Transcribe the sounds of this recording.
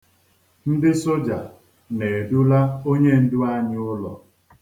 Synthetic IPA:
n̩˦dɪ˦so˦d͡ʒa˨ | ne˨e˨du˦la˦o˦ɲe˦n̩˦dʊ˦a˦ɲɪ˦ʊ˦lɔ̰˨

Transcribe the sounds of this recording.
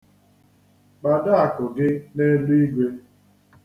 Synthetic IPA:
ɡ͡ba˨da˦a˨kʊ˨ɡɪ˦ne˦lu˦i˦ɡʷe˦

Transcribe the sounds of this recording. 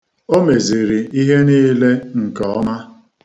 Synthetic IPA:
o˦me˨zi˨ɾi˨i˦ɦe˦niː˦le˦ŋ̩˨kɔ˨ɔ˦ma˦

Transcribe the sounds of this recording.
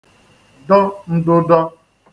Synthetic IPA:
dɔ˦n̩˦dʊ˦dɔ˦

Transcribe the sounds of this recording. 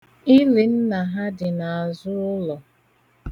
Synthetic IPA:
ɪ˦lɪ˨n̩˦na˨ɦa˦dɪ˨na˨a˨zʊ˦ʊ˦lɔ˨

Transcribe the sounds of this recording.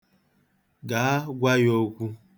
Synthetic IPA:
ɡa˨˦ɡʷa˦jo˨˦kʷu˦

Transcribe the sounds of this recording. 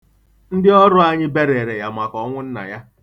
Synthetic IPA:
n̩˦dɪ˦ɔ˦ɾʊ˦a˦ɲɪ˦be˦ɾe˨ɾe˨ja˨mʷa˨kɔ˦ŋʷʊ˦n̩˦na̰˨ja˦

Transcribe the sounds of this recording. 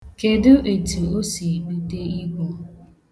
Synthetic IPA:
ke˨dʊ˦ʔe˨tu˨o˦si˨bu˦te˦i˦kʷo˦

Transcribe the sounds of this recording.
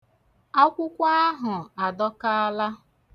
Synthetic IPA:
a˦kʷʊ˦kʷa˦a˦ɦʊ˨a˨dɔ˦ka˦a˦la˦

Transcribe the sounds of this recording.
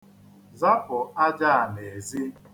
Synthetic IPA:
za˦pʊ˨a˦d͡ʒa˦a˨ne˨zi˦

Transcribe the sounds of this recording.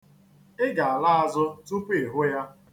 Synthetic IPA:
ɪ˦ɡa˨a˨la˦a˨zʊ˦tu˦pɪ˨ɦʊ˦ja˦

